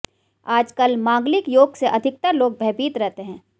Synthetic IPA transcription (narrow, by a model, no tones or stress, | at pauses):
aːd͡ʒkɐlmãːŋɡlɪkjoːɡseʔɐd̪ʱɪk̚t̪əɾloːɡ̚bʱɛːbiːt̪ɾɛɦt̪eɦɛ̃ː